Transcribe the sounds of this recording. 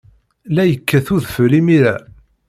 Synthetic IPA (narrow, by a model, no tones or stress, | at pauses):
læjəkʰːæθuðfəlimiɾæ